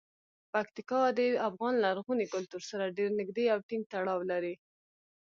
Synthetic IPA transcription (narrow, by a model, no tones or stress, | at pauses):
pakt̪ɪkɑd̪əafɣɑnlaɾɣunikʊlt̪uɾsaɾaɖeɾnɪɡd̪eawʈɪŋɡ̚t̪aɽɑwlaɾi